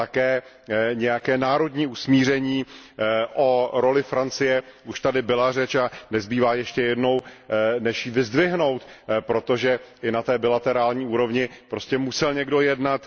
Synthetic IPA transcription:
t̪akɛː | ɲɛjakɛːnaːɾo̞dɲiːusmiːr̝ɛɲiːʔoɾo̞lɪfɾant͡sɪjɛʔuʃt̪adɪbɪlar̝ɛt͡ʃanɛzbiːvaːjɛʃcɛjɛdno̞wnɛʃjiːvɪzdvɪɦno̞wt̪pɾo̞t̪o̞ʒɛʔɪnat̪ɛːbɪlat̪ɛɾaːlɲiːuːɾo̞vɲɪpɾo̞scɛmusɛlɲɛɡdo̞jɛdnat̪

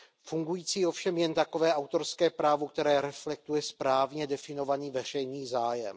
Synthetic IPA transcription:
fuŋɡujiːt͡siːo̞fʃɛmjɛnt̪ako̞vɛːʔawt̪o̞ɾskɛːpɾaːvok̚t̪ɛɾɛːɾɛflɛk̚t̪ujɛspɾaːvɲɛdɛfɪno̞vaniːvɛr̝ɛjniːzaːjɛ̰m

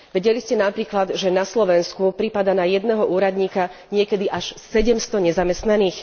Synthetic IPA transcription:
ʋɛɟɛliscɛnapɾiːklad̪ʒɛnaslɔʋɛnskupɾipad̪anajɛd̪nɛːɦɔʔuːɾad̪ɲiːkaɲɪɛkɛd̪iʔaʃsɛɟɛmst̪ɔɲɛzamɛst̪naniːx

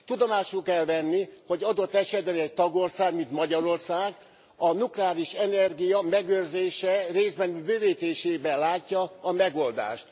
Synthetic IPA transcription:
t̪ud̪omaːʃulkɛlvɛnːiho̞ɟɒd̪o̞t̪ːɛʃɛd̪̚bɛnɛɟ̚t̪ɒɡorsaːɡmint̪mɒɟɒɾo̞rsaːɡ | ɒnuklɛaːliʃɛnɛrɡijɒmɛɡørzeːʃɛreːzbɛnbøːveːt̪eːʃeːbɛlaːcːɒːmɛɡo̞ld̪a̰ːʃt̪

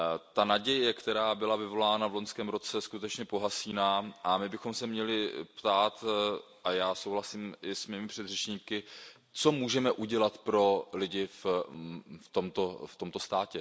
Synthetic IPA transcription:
t̪anaɟɛjɛkt̪ɛɾaːbɪlavɪvo̞laːnavloɲskɛːmɾo̞t͡sɛskut̪ɛt͡ʃɲɛpo̞ɦasiːnaːʔamɪbɪxo̞msɛmɲɛlɪpt̪aːt̪ | ʔajaːso̞wɦlasiːmʔɪsmiːmɪpr̝̥ɛd̪r̝ɛt͡ʃɲiːkɪ | t͡so̞muːʒɛmɛʔuɟɛlat̪pɾo̞lɪɟɪf | ft̪o̞mt̪oft̪o̞mt̪o̞st̪aːcɛ

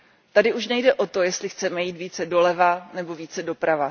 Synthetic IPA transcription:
t̪adɪʔuʃnɛjdɛʔo̞t̪o̞jɛst̪lɪxt͡sɛmɛjiːt̪viːt͡sɛdo̞lɛvanɛbo̞viːt͡sɛdo̞pɾava

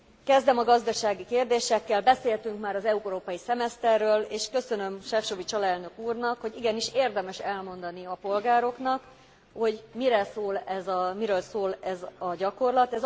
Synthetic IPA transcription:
kɛzd̪ɛmɒɡɒzd̪ɒʃaːɡikeːrd̪eːʃɛkːɛlbɛseːlt̪yŋkmaːɾɒzɛuɾoːpɒjisɛmɛst̪ɛrːøːleːʃkø̞sø̞nø̞mʃɛfʃovit͡ʃɒlɛlnø̞kuːrnɒkho̞ɟiɡɛniʃeːrd̪ɛmɛʃɛlmo̞nd̪ɒniɒpo̞lɡaːɾo̞knɒk | ho̞ɟmiɾɛsoːlɛzmiɾøːlsoːlɛzɒɟɒko̞rlɒt̪ɛz

